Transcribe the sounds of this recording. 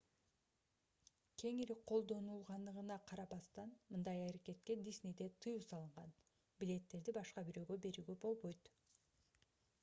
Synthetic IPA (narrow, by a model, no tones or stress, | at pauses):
kʰe̞ŋiɾiqʰo̞lˠd̪o̞nulˠʁɑnd̪ɯʁɯnɑqʰɑɾɑbɑst̪ɑnmɯnd̪ɑjɑɾeke̞t̪̚ke̞d̪ʲisʲnid̪e̞t̪ʰɯjuːsɑlˠɯɴʁɑn | bilʲe̞t̪ːe̞ɾd̪ibɑʃqɑbyɾø̞ːɡø̞be̞ɾyːɡøbo̞lˠbo̞jt̪